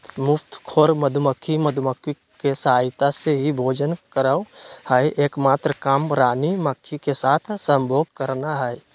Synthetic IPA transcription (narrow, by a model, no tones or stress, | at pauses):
mʊpʰt̪kʰoːɾməd̪ʱʊməkʰːiməd̪ʱməkʰwi | kesəɦaːɪt̪aseɦibʱoːd͡ʒənkəɾawhəeʔeːkmaːt̪ɾəkaːmɾaːniməkʰːikesaːt̪ʰsə̃mbʱoːɡ̚kəɾnaɦɛe